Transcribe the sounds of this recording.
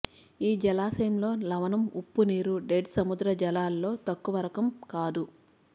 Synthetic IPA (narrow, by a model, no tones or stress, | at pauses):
iːd͡ʒɐlaːsɐjɐmlo̞ːlɐʋɐnɐmupːuniːɾuɖeɖsɐmud̪ɾɐd͡ʒɐlaːlːo̞ːt̪ɐkːuʋɐɾɐkɐmkaːd̪u